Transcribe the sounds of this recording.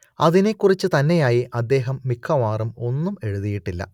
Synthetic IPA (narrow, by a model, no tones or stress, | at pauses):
ɐðine̞kːurit͡ɕːɨt̪ɐnːe̞jaːjiʔɐd̪ːe̞ːɦɐmːikʰːɐʋaːrumo̞nːume̞ɻuðijiʈːilːɐ̰